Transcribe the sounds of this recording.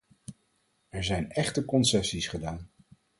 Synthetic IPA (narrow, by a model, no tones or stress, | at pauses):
ɛɹzɛjnɛχtəkɔnsɛsisχədaːn